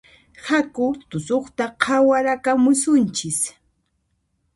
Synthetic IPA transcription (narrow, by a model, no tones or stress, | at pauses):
hakʊt̪ʊsoχt̪aqʰawaɾakamʊsʊnt͡ʃɪs